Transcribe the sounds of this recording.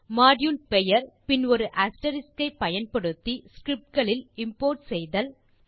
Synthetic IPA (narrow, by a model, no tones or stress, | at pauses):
maːɖjunpɛjɐɾpɪnɔɾɯʔaːsʈɐɾɪskɐɪpːɐjɐnpɐɽɯt̪ːiskɾɪp̚ʈ̚ɡɐɭɪlɪmpoːɾʈsɛjðɐl